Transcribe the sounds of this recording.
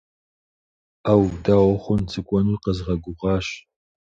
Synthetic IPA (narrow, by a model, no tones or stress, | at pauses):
aːwdaːwɔχʷʊnt͡sʰɨkʷʼɔnuqəzʁɐɡʷʊʁɑːɕ